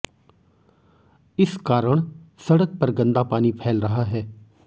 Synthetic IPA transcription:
ɪskaːɾəɳ̃səɽək̚pəɾɡə̃nd̪aːpaːniːpʰɛːlɾəɦaɦɛː

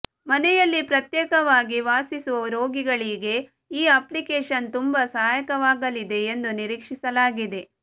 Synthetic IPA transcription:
mɐnɛjɐlːipɾɐt̪jɛːkɐʋaːɡiʋaːsisuʋɐɾo̞ːɡiɡɐɭiɡe̞ | iːaplikeːʃɐnt̪umbɐsaːajɐkɐʋaːɡɐlid̪e̞ːnd̪uniɾiːkʂisɐlaːɡid̪e̞

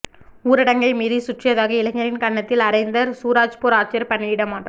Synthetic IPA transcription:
uːɾɪɽɐŋɡɐɪmiːðisʊʈrɪjɐðaːɣɐɪlɐŋɐɾɪnkɐɳːɐt̪ːɪlɐɾɐɪnd̪ɐɾsuːɾaːt͡ʃpuːɾaːt͡ʃːɪɐɾpɐnːɪɪɽɐmaːʈrɐm

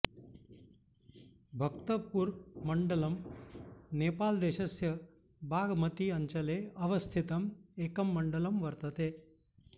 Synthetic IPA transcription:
bʱɐkt̪əpuɾməɳɖəlɐm | neːpald̪eɕɐsjɐ | bʱaːɡmɐt̪iɐɲt͡ʃɐleɐʋɐst̪ʰit̪ɐmeːkɐmːəɳɖəlɐmʋɐɾt̪ət̪e

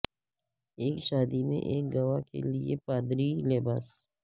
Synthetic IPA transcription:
eːkʃaːd̪imḛ̃ʔeːk̚ɡɐʋakḛliḛpaːd̪ɾileːbaːs

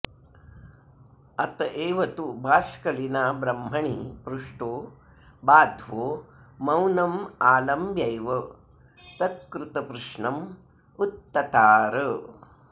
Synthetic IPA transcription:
ɐt̪ɐʔeːʋɐt̪ubʱaːskɐlinaːbɾɐmɦɐɳḭpɾuʂʈoː | baːd̪ʱʋoːmɐwnɐmaːlɐmbjɐjʋɐ | t̪ɐt̪̚kɾut̪ɐpɾuʂɳɐm | ut̪ːɐt̪aːɾɐ

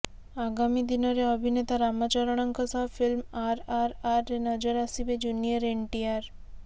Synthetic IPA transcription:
aɡamid̪inoɾeəbʱinet̪aɾamat͡ʃaɾəɽ̃əŋkʰəsafilmaɾaɾaɾːenəd͡ʒəɾasiʋed͡ʒunijəɾeɳʈiaɾ

